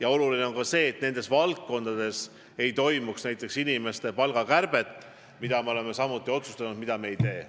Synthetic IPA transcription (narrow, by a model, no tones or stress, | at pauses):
jɑo̞luline̞o̞nkɑse̞ːt̪ne̞nd̪̥e̞svɑlkːo̞nd̪̥ɑd̪̥e̞s | e̞jt̪o̞jmuksnæjt̪ˑːe̞ksinime̞st̪e̞pɑlɡ̥ɑkærb̥e̞t̪ːˑ | mid̪ɑme̞o̞le̞me̞sɑmut̪ˑːio̞t̪su̥st̪ɑnud̪̥̚mid̪̥ɑme̞ejt̪e̞ː